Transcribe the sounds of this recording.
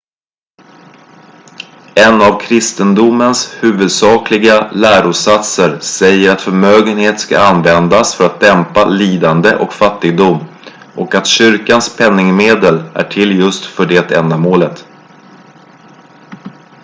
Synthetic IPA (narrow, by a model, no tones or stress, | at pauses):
ɛnavkʰɾɪst̪ənd̪ʊmənshʉ̟ːvɵd̪sɑːklɪɡalæːɾʊsat̪səɾsɛjːəɾat̪fœɾmøːɡənheːt̪ska̰anvɛnd̪asfœɾat̪̚d̪ɛmpaliːd̪and̪əʔɔkfat̪ːɪɡ̚d̪ʊmː | ʔɔkat̪ɕʏɾkanspʰɛnːɪŋmeːd̪əlæ̰ʈʰɪlːjɵst̪fœɖɛːt̪ɛnd̪amoːlət̪